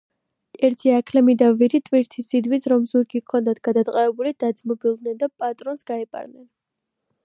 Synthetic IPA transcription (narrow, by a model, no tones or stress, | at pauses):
ɛɾt̪ʰiakʰlɛmid̪aviɾit̪ʼviɾt̪ʰisid̪wit̪ʰɾɔmzuɾɡikʰɔnd̪at̪ʰɡ̥ad̪at̪ʼqʼavɛbulid̪̥ad̪zmɔbilˠd̪nɛnd̪apʼat̪ʼɾɔnsɡaɛpʼa̰ɾnɛn